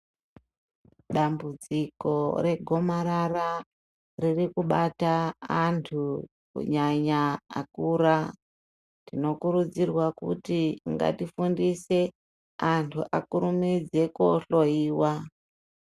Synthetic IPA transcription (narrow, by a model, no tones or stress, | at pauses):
ɗambud͡ziko̞ɾe̞ɡʱo̞maɾara | ririkuɓataːntʰu | kṵɲaɲaa̰kuːɾa | tino̞kuɾud͡zirwakṵtiŋɡa̰tifundise̞ | antʰuʔakuɾumid͡ze̞koɬo̞iːwa